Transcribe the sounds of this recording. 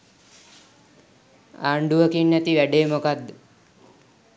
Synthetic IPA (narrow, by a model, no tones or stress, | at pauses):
aːɳɖuʋəkiɳːɛt̪iʋɛɖeːmokad̪